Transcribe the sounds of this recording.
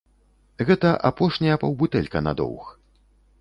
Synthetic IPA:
ɣɛt̪ɐʔapɔʂnʲɐjɐpɐwbut̪ɛlʲkɐna̰d̪ɔ̰wx

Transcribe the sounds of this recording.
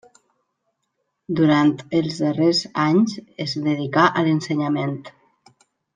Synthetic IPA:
d̪uɾant̪əlˠzðərezaɲzezðəð̞ikaʔələnsəɲament̪

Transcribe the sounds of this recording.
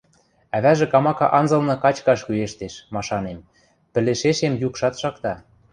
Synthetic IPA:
æβæʒĕkɑmɑkɑ̰ʔɑnzɤ̆lnɤ̆kɑt͡ɕkɑʃkyeʃt̪eʃmɑʃɑnem | pɘ̆leʃeʃemjukʃɑt̪ʃɑkt̪ɑ

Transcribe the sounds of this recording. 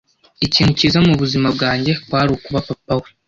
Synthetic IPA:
iciːnhucizamuβuzimabɡaːɲɟe̞kwaːɾukuβapapawe

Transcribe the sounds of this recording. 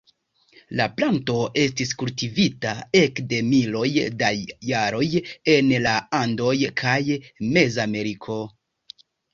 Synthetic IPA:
laplanto̞ʔe̞stiskultivitae̞kde̞milo̞jdajaɾo̞je̞nlaando̞jkʰajme̞zame̞ɾikʰo̞

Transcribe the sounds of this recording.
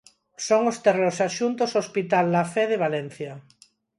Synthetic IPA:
soŋost̪eroɾsaʃunt̪osospit̪alːafɛð̞eβ̞alɛn̟θjɐ

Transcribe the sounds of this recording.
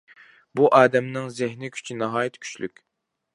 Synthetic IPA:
buʔɑːd̪ɛmnɪŋzɪɦnɪkʲʰy̥t͡ʃʰinɑɦɑːjɛt̪ʰkʲʰy̥t͡ʃly̰kʲ

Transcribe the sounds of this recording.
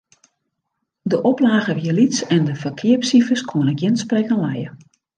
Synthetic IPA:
dəʔɔplaːɣəʋiəlitsɛndəfərkʰɪəpsifəskʰoənəkjɪnsprɛkənlɛjə

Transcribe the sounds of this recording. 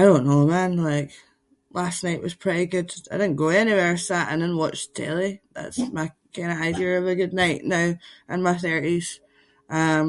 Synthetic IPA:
aɪɾõnːomãnlˠaɪk | lˠasnaɪʔwʌz̥pʰɹ̥ɪʔiɡʉd̥aɪdɪdⁿn̩ɡ̥oɛniweɹsaʔə̰̃nðə̃n̩wɔt͡ʃd̥ʰɛ̰lˠiða̰tsmaɪkʰãɪ̃ndəaɪdiə˞əvəɡʉdⁿnaɪʔnaʊʔə̃nmaɪθɜ˞ʔiz̥ | ʔʌ̃m

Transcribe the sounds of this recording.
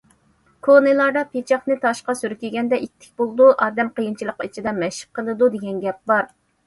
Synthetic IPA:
kʰonɨlˠɑɾd̪ɑpʰet͡ʃʰɑχnɨt̪ʰɑʃqɑsyɾkʲiɡʲɛnd̪ɛʔit̪ʰːɪ̥k̚ʲbolˠd̪uʔɑːd̪ɛmqəjint͡ʃʰilˠəqit͡ʃʰid̪ɛmɛʃɪ̥p̚qʰəlˠɨd̪ud̪eɡʲɛnɡʲɛp̚bɑɾ

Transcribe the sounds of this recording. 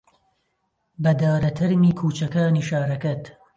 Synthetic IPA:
bɐd̪aːɾɐt̪ʰɐɾmiːkʰuːt͡ʃɐkaːniːʃaːɾɐkɐt̪

